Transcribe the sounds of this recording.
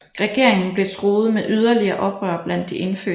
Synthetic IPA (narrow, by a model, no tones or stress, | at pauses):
ʁɛɡ̥e̝ɐ̰eŋn̩b̥le̝t͡sʰʁo̝ːð̞̩ˠmeʔyð̞ˠɐliɐːʔɒ̽b̥ʁœ̰ːɐb̥læn̰d̥ːiʔe̝nfø̰